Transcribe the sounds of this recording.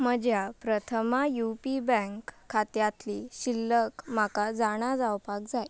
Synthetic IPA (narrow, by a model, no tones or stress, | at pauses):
məd͡ʑjapɾət̪ʰəmajupibə̃ŋkʰːat̪jat̪liɕilːəkm̤akad͡zaɽ̃ad͡zawpakd͡zaj